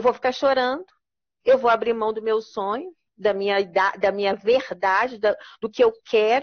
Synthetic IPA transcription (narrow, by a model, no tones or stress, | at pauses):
ewvowfi̥kaʃoɾɐ̃nd̪ʊ | ewvowabɾimɐ̃w̃d̪ʊmewsõɲʊ | d̪ɐmĩɲɐid̪ad̪ɐmĩɲɐveɾd̪ad͡ʒɪd̪ɐd̪ʊkɪewkʰɛɾʊ